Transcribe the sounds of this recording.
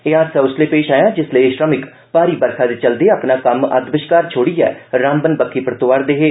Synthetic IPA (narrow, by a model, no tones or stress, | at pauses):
eaːsəʊsleːpeːʃaːjãːd͡ʒɪsleʃɾəmɪk | paːɾiːbəɾkʰaːd̪eːt͡ʃəld̪eːəpnaːkəmə̰t̪bɪʃkaːɾt͡ʃʰoːɽiːɛ̰ːɾaːmbənbəkːiːpɾət̪ʊʋaːɾd̪eːɦeː